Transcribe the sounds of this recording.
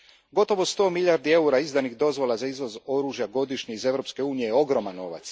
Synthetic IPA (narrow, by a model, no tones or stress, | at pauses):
ɡo̞t̪o̞ʋo̞st̪o̞ːmilʎaɾd̪ie̞uɾaizd̪anixd̪o̞zʋo̞lazaizʋo̞zo̞ɾuʒjaɡo̞d̪iʃɲeize̞ʋɾo̞pske̞uːnije̞jo̞ɡɾo̞manːo̞ʋa̰t̪s